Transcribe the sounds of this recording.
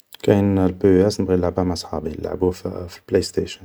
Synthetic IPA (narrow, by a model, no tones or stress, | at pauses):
kæjnlbuæsnəbɣinləʕbæmæsˤħɑbilːa̰ʕbufi̥lplejst̪æʃən